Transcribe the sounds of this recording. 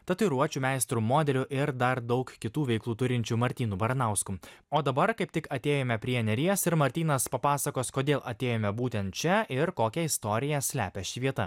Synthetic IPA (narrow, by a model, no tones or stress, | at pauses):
t̪ɐt̪ɨɾuɔt͡ʃʲuːmʲæɪst̪ɾumoːd̪ʲɛlʲʊʔɪɾd̪ɐɾd̪ɒʊkkʲɪt̪uːʋʲɛɪklˠuːt̪ʊɾʲɪnʲt͡ʃʲumɐɾʲt̪ʲiːnubɐɾɐnɑˑʊskuoːd̪ɐbɐɾkɐɪp̚t̪ʲɪkɐt̪ʲeːjoːmʲɛpʲɾʲiɛnʲɛɾʲiɛsɪɾmɐɾʲt̪ʲiːnɐspɐpɑːsɐkoːskoːd̪ʲeːlˠʔɐt̪ʲeːjoːmʲɛbuːt̪ʲɛnt̪t͡ʃʲɛɪɾkoːkʲɛɪst̪oːɾʲɪjɛsʲlʲæːpʲɛʃʲɪʋʲiɛt̪ɐ̰